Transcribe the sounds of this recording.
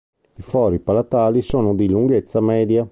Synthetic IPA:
ifɔːɾipalat̪aːlisoːnod̪iluŋɡet̪sːamɛːd̪ja

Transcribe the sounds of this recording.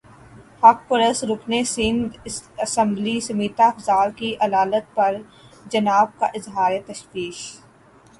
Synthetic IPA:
hɐk̚pʊɾəsɾʊkʰnesɪ̃nd̪ɪsɐsə̃mblisɐmiːt̪aɐfzaːlkiʔɐd̪aːlət̪̚pɐɾ | d͡ʒɐnaːb̚kaʔɪzɦaːɾet̪ɐʃwiːʃ

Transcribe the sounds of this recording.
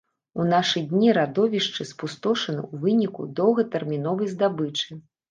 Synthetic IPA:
unaʂɨjd̪ʲnʲiɾad̪ɔvʲiʂt͡ʂɨspust̪ɔʂɐnɨ̰wvɨnʲikṵd̪ɔwɣɐt̪ɛrmʲinɔvɐjzd̪abɨt͡ʂɨ

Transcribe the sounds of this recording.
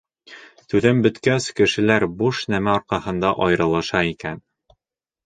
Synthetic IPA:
t̪ʉðɘmbɘ̆t̪kæskɘ̆ʃɘ̆læɾbuʃnæmæɒɾqɑhɤ̆nd̪ɑʔɒjɾɤ̆lˠɤ̆ʃɑikæn

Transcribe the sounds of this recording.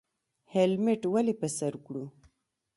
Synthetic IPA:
helmɪʈwalipəsaɾkɽu

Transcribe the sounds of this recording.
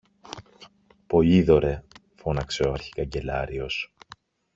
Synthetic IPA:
po̞ʎiðo̞ɾe̞ | fo̞nɐkseoɐɾçi̥kɐɲɟe̞lɐɾio̞s

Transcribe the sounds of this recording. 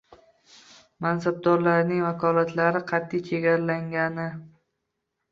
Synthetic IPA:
mansab̚d̪ɒɾlaɾnɪŋvakʰɒlat̪ʰlaɾɪqʰɑt̪ʰːijt͡ʃʰeɡʲaɾlaŋɡʲanɪ

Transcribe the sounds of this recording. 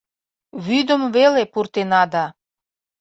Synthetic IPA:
βyd̪əmvelepurt̪enɑd̪ɑ

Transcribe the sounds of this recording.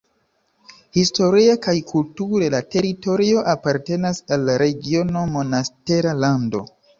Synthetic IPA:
histo̞ɾiakajkʰultuɾelate̞ɾito̞ɾio̞ʔapaɾte̞nasalːaɾe̞ɡio̞no̞mo̞naste̞ɾalando̞̰

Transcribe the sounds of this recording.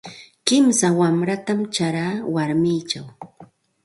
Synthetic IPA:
kɪmsawamɾat̪amt͡ʃaɾaːwaɾmiːt͡ʃaw

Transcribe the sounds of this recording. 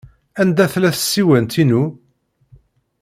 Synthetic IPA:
ænd̪æθlæθə̥sːiwænt̪inu

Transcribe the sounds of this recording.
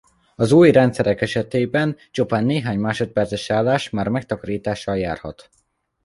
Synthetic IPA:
ɒzuːjrɛnt̪sɛɾɛkɛʃɛt̪eːbɛnt͡ʃupaːnːeːɦaːɲmaːʃot̪̚pɛrt̪sɛʃaːlːaːʃmaːrmɛk̚t̪ɒkɒɾiːt̪aːʃːɒlja̰ːrhɒ̰t̪

